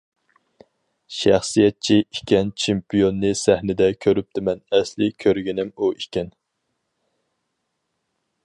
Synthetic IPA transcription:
ʃæ̰χsijɛt̪̚t͡ʃʰiikʲɛnt͡ʃʰempijonːɨsæhnɪd̪ɛkʲʰøɾyp̚t̪ʰɪmɛnɛslɪkʲʰøɾɡʲinɪmuʔikʲɛn

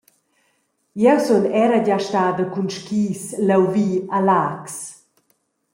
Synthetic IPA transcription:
jɛwsɔnɛɾaɟaʃtaːd̪əkunʃkiːslɛwviːalaks

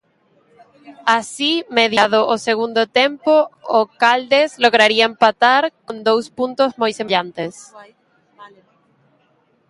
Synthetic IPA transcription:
asimeðjaðoʔoseɣũnd̪ot̪empookald̪ezloɣɾaɾiaempat̪aɾkond̪owspunt̪ozmojseʎant̪es

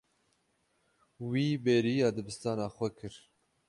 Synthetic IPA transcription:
wiːbeːɾiːɑːd̪ɨbɨst̪ɑːnɑːxʷɛkʰɨɾ

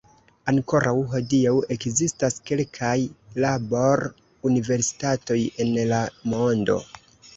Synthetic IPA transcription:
aŋko̞ɾʔawɦo̞diawe̞kzistaske̞lkʰajlabo̞ɾ | unive̞ɾsi̥tato̞je̞nlamo̞ndo̞̰

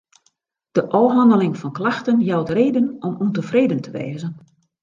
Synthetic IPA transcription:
d̥əʔɔwɦɑndəlɪŋfɔnklaxtənjawtreːdənɔmuntəfreːdəntʰəʋḛːzən

